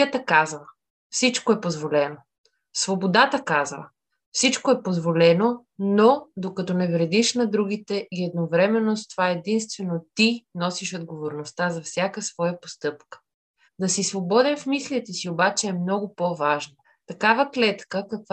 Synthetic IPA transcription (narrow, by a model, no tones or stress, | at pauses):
ət̪əkazvə | fsit͡ʃkoɛpozvolɛno | svobod̪at̪əkazvə̰ | fsit͡ʃkoɛpozvolɛno | nod̪okɐt̪ɔnɛvɾɛd̪iʃnɐd̪ɾuɡ̟it̪ɛʔiɛd̪̚novɾɛmɛnːost̪ovaɛd̪inst̪vɛnot̪inɔsiʃod̪̚ɡovoɾnost̪azɐfsʲjakəsvɔjəpo̥st̪ɤpkə̥ | d̪ɐsisvobɔd̪ɛnfmislʲit̪ɛsiobat͡ʃɛɛmnɔɡʊpovaʒnə | t̪ɐkavəklɛt̪kəkɐkv